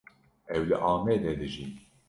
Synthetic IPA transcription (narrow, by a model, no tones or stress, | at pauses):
ɛwlɨʔɑːmɛd̪ɛd̪ɨʒi